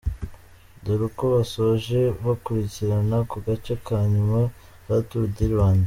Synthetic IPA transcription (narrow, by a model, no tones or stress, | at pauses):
duɾukoβasoʒe̞βakuɾiciɾanakuɡat͡ʃekʰaːɲuma | βatuɾudiɾβaːnde